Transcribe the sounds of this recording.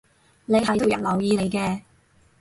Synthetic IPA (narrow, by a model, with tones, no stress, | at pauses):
ne˨˧jhɐ˨jt̪o˨wjɐ̰˨˩nlɐ˨˩wjiː˧ne˨˧jkɛː˧